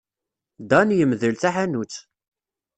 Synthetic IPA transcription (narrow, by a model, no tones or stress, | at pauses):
d̪ɑnjəmðəlθæħanut͡sː